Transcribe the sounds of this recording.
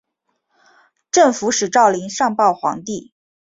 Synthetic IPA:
ʈ͡ʂɤ˥˩ŋfu˧˥ʂɻ̩˨˩ʈ͡ʂɑ˥˩ʊli˧˥ŋʂɑ˥˧ŋpɑ˥˩ʊxwɑ̰˧˥ŋt̪i˥˩

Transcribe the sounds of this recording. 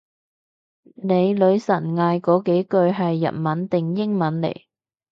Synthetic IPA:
ne˨˧jlɵ˨˧ɥsɐ˨˩nŋaː˧jkɔː˨˥ke˨˥jkɵ˧ɥɦɐ˨jːɐ̰˨t̚mɐ˨˥nt̪ɪ˨ŋjɪ˥ŋmɐ˨˥nlḛ˨˩j

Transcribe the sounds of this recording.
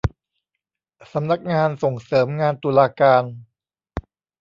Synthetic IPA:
sa˩˦mna˦˥k̚ŋaː˧nso˨˩ŋsɤː˩˦mŋaː˧nt̪uː˧laː˧kaː˧n

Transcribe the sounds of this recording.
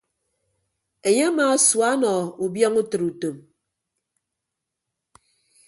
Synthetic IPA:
e˨je˦a˦ma˨˦swa˦nɔ˨u˨bjɔ˦ŋu˦tɨ˨ɾu˨to˨m

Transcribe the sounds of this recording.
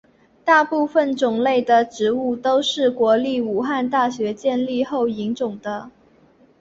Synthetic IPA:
t̪a˥˧pu˥˧fə˨˩nʈ͡ʂʊ˨˩ŋle˥˩ɪd̪ə˩ʈ͡ʂɻ̩˧˥u˥˩t̪o˥ʊʂɻ̩˥˩kwɔ˧˥li˥˩u˨˩xa˥˧nt̪a˥˩ɕɥɛ˧˥t͡ɕjɛ˥˧nli˥˧xo˥˩ʊi˧˥ŋt͡sʊ˨˩ŋd̪ə˦

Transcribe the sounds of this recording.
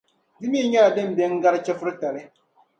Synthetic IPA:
dɪ˦mi˦˨ɲɛ˦la˨dɨ˦m̩˦bɛ˦ŋ̩˦ɡa˦ɾɨ˦t͡ʃɛ˦fʊ˦ɾɨ˦ta˨lɪ˦

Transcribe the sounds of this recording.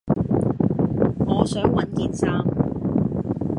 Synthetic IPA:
ŋɔː˨˧sœː˨˥ŋwɐ˨˧nkiː˨˧nt͡saː˧m

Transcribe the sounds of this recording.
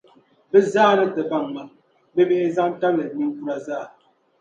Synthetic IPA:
bə˦zaː˦˨nə˦tə˨ba˦˨ŋma˨ | bə˦me˦ʔe˦za˦ŋ˦ta˦blə˨ni˦ŋ̩˦ku˦ɾa˦zaː˦˨

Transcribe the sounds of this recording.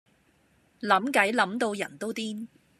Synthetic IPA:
lɐ˨˥mkɐ˨˥jlɐ˨˥mt̪o˧wjɐ̰˨˩nt̪o˥wt̪iː˥n

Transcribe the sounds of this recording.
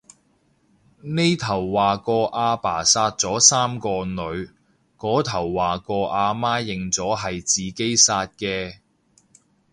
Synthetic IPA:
ne˥jt̪ʰɐ˨˩wːaː˨kɔː˧ʔaː˧pa̰ː˨˩saː˧t̚t͡sɔː˨˥saː˥mkɔː˧nɵ˨˧ɥ | kɔː˨˥t̪ʰɐ˨˩wːaː˨˩kɔː˧ʔaː˧maː˥jɪ˨ŋt͡sɔː˨˥ɦɐ˨jt͡siː˨ke˥jsaː˧t̚kɛː˧

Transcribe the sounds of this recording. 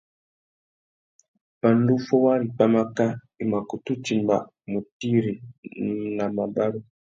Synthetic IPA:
pa˨n˦du˦fɔ˦wa˦ɾi˨pa˦ma˦ka˦ | i˨ma˨ku˨tu˦ti˨mba̰˨ | mu˨ti˦ɾi˨ | na˨ma˨ba˦ɾu˦

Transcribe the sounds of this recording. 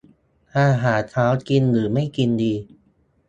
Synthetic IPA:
t̪ʰaː˧˩ɦaː˩˦t̪ʰaː˦˥wki˧nlɯː˩˦ma˥˩jki˧ndiː˧

